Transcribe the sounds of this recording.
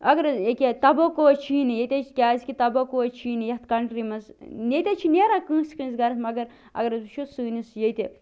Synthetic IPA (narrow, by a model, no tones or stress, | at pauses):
ɐɡɐɾekʲet̪ɐbɐkot͡ʃʰiːnijet̪ʲet͡ʃʰi̥kʲaːzkʲit̪ɐbɐkot͡ʃʰiːnijɐt̪ʰkɐɳʈɾimɐznʲet̪ʲet͡ʃʰineːɾakɨ̃ːskɨnzɡɐɾɐsmɐɡɐɾ | ɐ̰ɡɐɾɐzuʃʰusɨːnisjet̪e